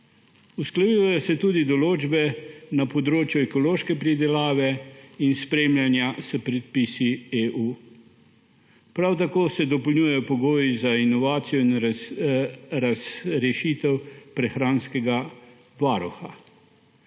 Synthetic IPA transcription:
usklajiʋajɔsɛt̪ud̪id̪ɔloːd͡ʒbɛnapɔd̪ɾoːt͡ʃjuɛkɔloːʃkɛpɾid̪ɛlaːʋɛinspɾemljanjasəpɾɛt̪̚pisieʔuː | pɾawt̪akoːsɛd̪ɔpɔlnɲuːjajɔpɔɡoːjizainɔʋaːt̪sijɔin | ɾazɾɛʃit̪ɛwpɾɛxɾaːnskɛɡa | ʋaːɾuxa̰

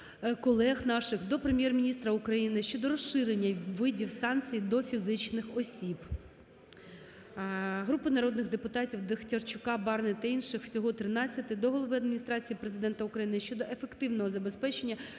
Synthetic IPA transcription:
kɔlˠɛxnɑʃɪxd̪ɔpɾemʲjɛrmʲinʲist̪ɾɐukɾɐjinɪʃt͡ʃɔd̪ɔɾɔsɪɾenʲːɐʋɪdʲiwsɑnt͡sʲijd̪ɔfʲizɪt͡ʃnɪxɔsʲib | ɦɾupɪnɐɾɔd̪nɪɣd̪epʊt̪ɑtʲiwd̪extʲɐrt͡ʃʊkɑbɑrnɪt̪ɐinʃɪxw̥sʲɔɦɔt̪ɾɪnɑt͡sʲːɐt̪ɪd̪ɔɦɔlˠɔʋɪɐd̪mʲinʲist̪ɾɑt͡sʲijipɾezɪd̪ɛnt̪ɐukɾɐjinɪʃt͡ʃɔd̪ɔʔefe̞kt̪ɪwnɔɦɔzɐbe̞spɛt͡ʃenʲːɐ

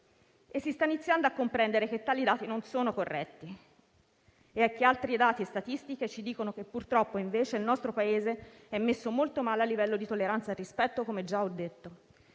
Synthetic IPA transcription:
esːist̪ainit̪sːjand̪oakːompɾɛnd̪eɾek̟et̪ːaːlid̪aːt̪inonsoːnokorːɛt̪ːi | eɛkːealt̪ɾid̪aːt̪iest̪at̪ist̪ik̟et͡ʃid̪iːkonok̟epːurt̪ɾɔpːoiɱveːt͡ʃeilnɔst̪ɾopaeːze | ɛmːesːomolt̪omaːlealːivɛlːod̪it̪olːeɾant̪sarispɛt̪ːokomed͡ʒaɔd̪ːet̪ːo

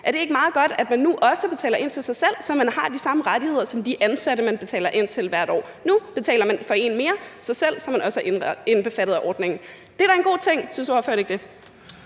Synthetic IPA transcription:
ʔæɐɾ̥e̝e̝ɡ̥əmɑ̈ːð̞̩ˠɡ̥ɒ̽d̥æd̥mænːuʔɒ̽səb̥e̝t͡sʰɛ̰ːlɐʔe̝n̰t͡sʰe̝lsɑ̈ɪsel̰sɒ̽mænhɑ̈d̥isɑ̈məʁaɾihe̝ð̰ˠɐsɒ̽md̥iʔænsæɾəmænb̥e̝t͡sʰɛ̰ːlɐʔe̝n̰t͡sʰe̝lʋæɐ̰ɾ̥ɒ̰ː | nub̥e̝t͡sʰɛ̰ːlɐmænfɒ̽e̝̰ːnme̝ːɐsɑ̈ɪsel̰sɒmænɒ̽səæenb̥e̝fæɾ̥ð̩ˠʔɒːd̥neŋn̩ | d̥e̝ɾ̥æɐe̝nɡo̝̰ːt͡sʰeŋ̰synsjuhɑ̈føɐ̰ɾ̥e̝ɡ̥̚d̥e̝

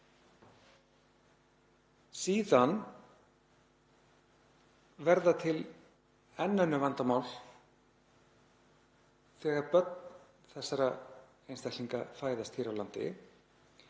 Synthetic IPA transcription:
siːðan | vɛɾðat̪ʰɪl | ɛnːœnːʏvant̪amawl | θɛːɣaɾpœt̪n | θɛsːaɾa | ejnst̪ajktliŋkafaːjðast̪ʰiːɾawlant̪ɪ̰

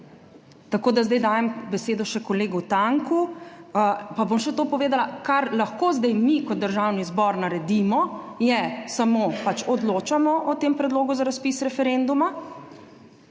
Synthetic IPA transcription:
t̪akoːd̪azd̪ajd̪aːjɛmbɛseːd̪ɔʃɛkɔleːɡut̪aŋku | pabomʃɛt̪oːpɔʋeːd̪alakaɾlaxkozd̪ɛjmikɔd̪ːəɾʒawnizbɔɾnaɾɛd̪imɔjɛsamoːpat͡ʃɔd̪loːt͡ʃamɔʔɔt̪empɾɛd̪loːɡuzaɾaspisɾɛfɛɾend̪uma

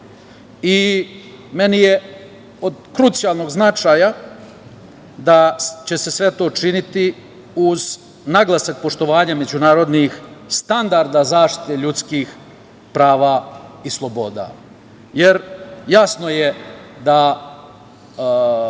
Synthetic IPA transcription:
i | me̞nije | o̞d̪kɾut̪sijalˠno̞ɡznat͡ʃaja | d̪at͡ɕe̞se̞sʋe̞t̪o̞ːt͡ʃinit̪i | uz | naɡlˠasak̚po̞ʃt̪o̞ʋaːɲame̞d͡ʑunaːɾo̞d̪nixst̪and̪aɾd̪azaːʃt̪i̥t̪e̞ʎut̪skiːx | pɾaːʋaislˠo̞bo̞ːd̪a̰ː | jeɾjasnojed̪a

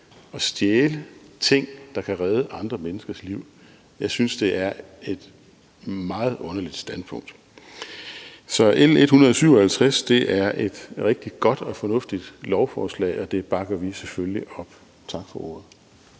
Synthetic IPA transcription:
ɒ̽sd̥jeːlət͡sʰe̝ŋ̰d̥ɑ̈kʰæʁɛð̞ˠəʔɑ̈nd̥ʁɐmenəsɡ̥ɐsliʊ̰ | jɑ̈ɪsynsd̥e̝ʔæɐe̝d̥ | mɑ̈ːð̩ˠʔɔ̽nɐlid̥sd̥æn̥pʰɔ̽ŋ̰d̥ | sɒ̽ʔel̰e̝d̥hunɐðˠɐsyʊ̰ɒhælt͡sʰʁasd̥e̝ʔæɐʔe̝d̥ʁɛɡ̥̚d̥i̥ɡ̥ɒ̽d̥ɒ̽fɒ̽nɔ̽fd̥id̥lɒʊfɒːslɛ̰ːɒ̽d̥e̝b̥ɑ̈ɡ̥ɐʋiseføliʔɒ̽b̥ | t͡sʰɑ̈ɡ̥fɒ̽ʔo̝̰ɐ̰ð̩ˠ

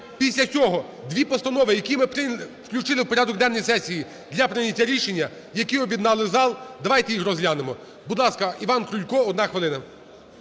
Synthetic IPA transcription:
pʲisʲlʲɐt͡sʲɔɦɔ | d̪ʋʲipɔst̪ɐnɔʋɪjɐkʲimɪpɾɪwklʲut͡ʃɪlˠɪwpɔɾʲad̪ɔkd̪ɛnːɔjsɛsʲiji | d̪lʲɐpɾɪnʲɐtʲːaɾʲiʃenʲːɐ | jɐkiɔbʲjid̪nɑlˠɪzɑlˠd̪ɐʋɑjt̪ɛjixrɔzɦlʲanemɔ | bud̪lˠɑskɐiʋɑnkɾʊlʲkɔɔd̪nɑxʋɪlˠɪnɐ

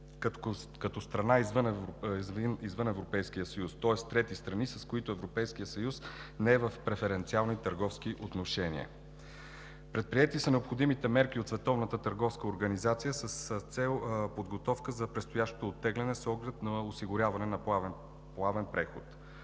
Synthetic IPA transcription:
kɐt̪ɔst̪ɾɐnaizvənvnizvɤnɛvɾopɛjsk̟ijəsɐjust̪ɔɛst̪ɾɛt̪ist̪ɾɐnisɐskoʊit̪ʊɛvɾopɛjskijəsɐjusnɛɛvəfpɾɛfɛɾɛnt̪sialˠnit̪əɾɡɔfsk̟iʔot̪noʃɛnḭə̰ | pɾɛt̪̚pɾiɛt̪isənɛopxod̪imit̪ɛmɛɾkiot̪svɛt̪ɔvnət̪ət̪əɾɡɔfskəoɾɡɐnizat̪sijəsəst̪sɛlˠpod̪ɡot̪ɔfkəzɐpɾɛt̪st̪ojaʃt̪o̥t̪oːt̪ːɛɡlʲɛnɛsɔɡlɛt̪nɐosiɡʊɾʲavɐnɛnɐpav | plˠavɛnpɾɛxot̪

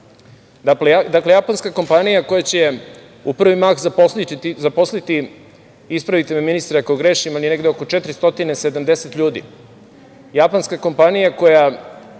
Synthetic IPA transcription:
d̪akled̪akle̞japonskako̞mpanijakojat͡ɕe | upr̩ʋimaxzaposlit̪izapo̞slit̪i | ispɾaʋit̪ememinist̪ɾakaoɡɾeːʃimalineɡd̪eoko̞t͡ʃet̪ɾist̪o̞t̪inesed̪amd̪eset̪ʎuːd̪ḭ | japanskako̞mpanijako̞ja

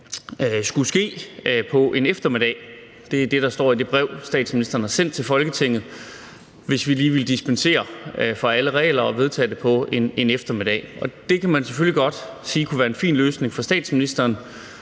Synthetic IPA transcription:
sɡ̥usɡ̥e̝̰ːpʰɒ̽ʔe̝nefd̥ɐme̝ɾ̥ɛ̰ɪ | d̥e̝æd̥e̝ɾ̥ɑ̈sd̥ɒ̰ːid̥e̝b̥ʁɛʊsd̥ɛ̰ːd̥sminisd̥ɐːn̩ɑ̈sen̰d̥̚t͡sʰe̝lfɒ̽lɡ̥ət͡sʰe̝ŋ̰ð̩ˠ | ʋe̝sʋiliːʋiləd̥isb̥ense̝̰ːɐfɒæləʁɛ̰ːlɐɒ̽ʋe̝ð̞ˠt͡sʰɛ̰ːd̥epʰɒ̽e̝ne̝nefd̥ɐme̝ɾ̥ɛ̰ʔɒ̽d̥e̝kʰæmænseføliɡ̥ɒ̽d̥siːkʰuʋæːɐe̝nfḭːnløːsne̝ŋfɒ̽sd̥ɛ̰ːd̥sminisd̥ɐːn

